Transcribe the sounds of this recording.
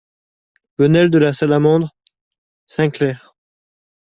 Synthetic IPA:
b̥ənɛld̪əlasalamɑ̃d̪ʁ | sɛ̃klɛːʁ

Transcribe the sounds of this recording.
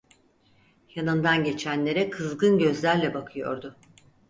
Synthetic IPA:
janɯnd̪anɟe̞t͡ʃʰænlʲe̞ɾɛkʰɯzɡɯnɟø̞zlʲæɾlʲɛbakʰɯjo̞̰ɾd̪ʊ

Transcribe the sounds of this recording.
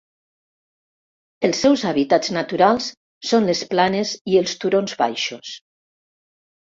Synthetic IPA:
elˠsːɛwzaβit̪ad͡znat̪uɾalˠsː | onlesplanezielˠst̪uɾonzβa̰jʃos

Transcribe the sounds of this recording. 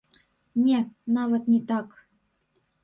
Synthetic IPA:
nʲenɑvɤ̆t̪nʲit̪ɑk

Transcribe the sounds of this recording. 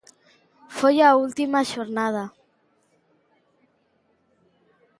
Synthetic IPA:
fojault̪imaʃoɾnað̞a

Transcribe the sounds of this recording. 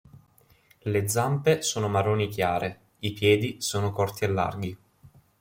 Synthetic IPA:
led̪zampesoːnomaɾoːnikjaːɾe | ipjɛːd̪isoːnokɔrt̪ielːa̰rɡi

